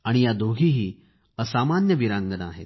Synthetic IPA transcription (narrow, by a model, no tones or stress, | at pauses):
aɽ̃ijad̪ʱoɡʱiɦiː | əsamanjəʋiɾãŋɡəna̰ɦḛt̪̚